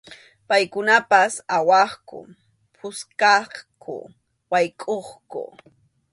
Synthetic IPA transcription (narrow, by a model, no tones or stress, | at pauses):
pajkʊnapasawɑχkʊ̰ | pʰʊskɑχkʰʊ̰ | wajkʼoχkʊ̰